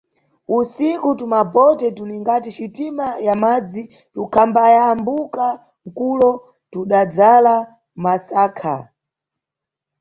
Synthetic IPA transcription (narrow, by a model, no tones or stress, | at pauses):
usikutumapɔtɛtuniŋɡatit͡ʃitimajamad͡zi | tukʰambajambuka | ŋ̩kulɔ | tuɗad͡zala | masaːkʰa